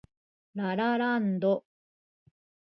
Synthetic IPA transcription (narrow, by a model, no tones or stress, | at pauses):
ɾaɾaɾand̪o